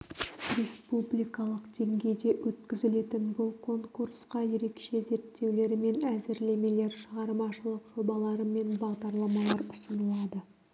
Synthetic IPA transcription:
rʲe̞spublʲijkɑlˠəqd̪̥e̞ŋɡʲe̞jd̪e̞wɵt̪kʲɪzɪle̞t̪ɪnbʊlˠkʰo̞ŋkuɾsqɑje̞ɾe̞kʃe̞ze̞ɾt̪ːe̞wle̞ɾɪme̞næzɪɾle̞me̞le̞ɾʃəʁɑɾmɑʃəlˠəqʒ̥o̞bɑlˠɑɾəme̞nbɑʁd̪ɑɾlˠɑmɑlˠɑɾʊsənəlˠɑd̪ə

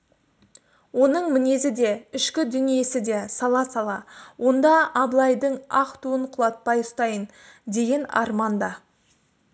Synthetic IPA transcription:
wo̞nəɴmɪne̞zɪd̪e̞ɪʃkʲɪd̪ʏnije̞sɪd̪e̞sɑlˠɑsɑlˠɑwo̞nd̪ɑɑblˠɑjd̪əɴɑqt̪uəɴqʰʊlˠɑt̪̚pɑjʊst̪ɑjən | d̪e̞ɡʲe̞nɑ̰ɾmɑnd̪ɑ

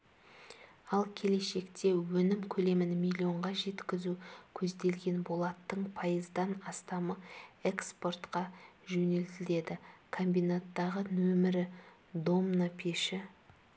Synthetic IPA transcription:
ɑlˠkʲʰe̞le̞ʃe̞kt̪ʰe̞wɵnɪmkʲʰɵle̞mɪnmʲilʲio̞ɴʁɑʒe̞t̪kʲɪzukʲʰɵzd̪e̞lɡʲe̞nbo̞lˠɑt̪ːəɴpʰɑjəzd̪ɑnɑst̪ɑməekspo̞rt̪qɑʒɵne̞lt̪ɪle̞d̪ɪkʰo̞mbijnat̪ːɑʁənɵmɪɾɪ | d̪o̞mnopʲʰeʃɪ

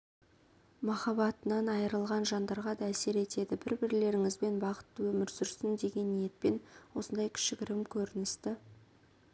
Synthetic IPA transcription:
mɑχɑbɑt̪ənɑnɑjəɾəlˠʁɑnʒɑnd̪ɑɾʁɑd̪ɑːse̞ɾe̞t̪e̞d̪ɪbɪɾbɪɾle̞ɾɪŋɪzbe̞nbɑqə̥t̪ːəwɵmɪɾsʏɾsɪnd̪e̞ɡʲe̞nːije̞t̪̚pe̞nwo̞sənd̪ɑjkʲʰɪ̥ʃɪkʲɪɾɪmkʲʰɵɾɪnɪst̪ɪ

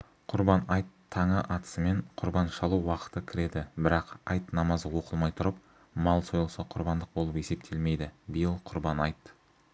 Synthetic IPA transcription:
qʰʊɾbɑnɑjt̪ʰːɑɴəʔɑt̪ə̥səmeɴqʰʊɾbɑnʃɑlˠuwɑqə̥t̪əkʲʰɪɾe̞d̪ɪbɪɾɑqɑ̰jt̪nɑmɑzəwo̞qəlˠmɑjt̪ʰʊɾəp̚ | mɑlˠso̞jlˠsɑqʰʊɾbɑnd̪əq̚bo̞lˠəpe̞se̞p̚t̪ʰe̞lme̞jd̪ɪbɪjɪlˠqʰʊɾbɑnɑjt̪

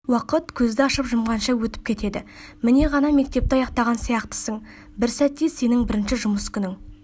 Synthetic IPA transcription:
wɑqət̪kʲʰɵzd̪ɪɑʃəpʒʊmʁɑnʃɑwɵt̪ɪ̥p̚kʲʰe̞t̪e̞d̪ɪ̰mɪne̞ʁɑnɑme̞k̚t̪e̞p̚t̪eɑjɑqt̪ɑʁɑnsijɑqt̪ə̥səɴ | bɪɾsæt̪ːese̞nɪŋbɪɾɪnʃɪʒʊməskʲʰʏnɪŋ

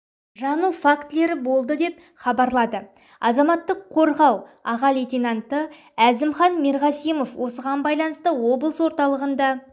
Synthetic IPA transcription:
ʒɑnufakt̪le̞ɾɪbo̞lˠd̪əd̪e̞p̚ | χɑbɑɾlˠɑd̪ə | ɑzɑmɑt̪ːəqʰːo̞ɾʁɑwɑʁɑlet̪ʲinant̪ə | æzɪmχɑnmeɾʁɑsijmo̞fwo̞səʁɑnbɑjlˠɑnəst̪əwo̞blˠəswo̞ɾt̪ɑlˠəʁənd̪ɑ

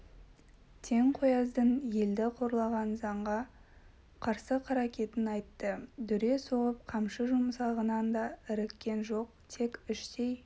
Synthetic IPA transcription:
t̪ʰe̞ŋqʰojɑzd̪ənje̞ld̪ɪqʰo̞ɾlˠɑʁɑnzɑɴʁɑ | qʰɑɾsəqʰɑɾɑkʲe̞t̪ɪnɑjt̪ːəd̪ʏɾe̞soʁəp̚qʰɑmʃəʒʊmsɑʁənɑnd̪ɑɪɾɪkʲːe̞nʒo̞qt̪ʰe̞kʲʏʃt̪ej

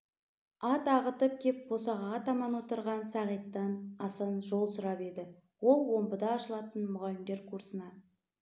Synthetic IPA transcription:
ɑt̪ɑʁət̪əp̚kʲʰe̞p̚b̥o̞sɑʁɑʁɑt̪ʰɑmɑnwo̞t̪əɾʁɑnsɑʁijt̪ːɑnɑsənʒo̞lˠsʊɾɑpe̞d̪ɪ | wo̞lˠwo̞mbəd̪ɑːʃəlˠɑt̪ənmʊʁɑlɪmd̪e̞ɾkʰuɾsənɑ

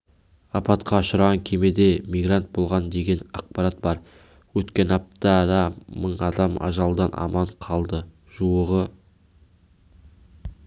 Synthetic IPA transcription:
ɑpɑt̪qʰɑʊʃəɾʁɑŋkʲʰeme̞d̪e̞mijɡɾant̪̚bo̞lˠʁɑnd̪e̞ɡʲe̞nɑ̰q̚pɑɾat̪̚bɑɾ | wɵt̪kʲe̞nɑp̚t̪ɑd̪ɑməɴɑd̪ɑmɑ̰ʒɑlˠd̪ɑnʔɑ̰mɑɴqʰɑlˠd̪ə | ʒ̥uwəʁə

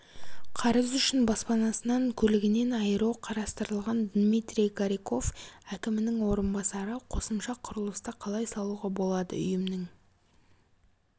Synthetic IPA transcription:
qʰɑɾəzʏʃɪnbɑspɑnɑsənɑŋkʲʰɵlɪɡʲɪne̞nɑjəɾɑwqʰɑɾɑst̪əɾəlˠʁɑnd̪mit̪ɾʲijkaɾiko̞fækʲɪmɪnɪŋwo̞ɾənbɑsɑɾəqʰo̞səmʃɑqʰʊɾəlˠəst̪ɑqʰɑlˠɑjsɑlˠuʁɑbo̞lˠɑd̪ə̰ʏ̰jɪmnɪŋ

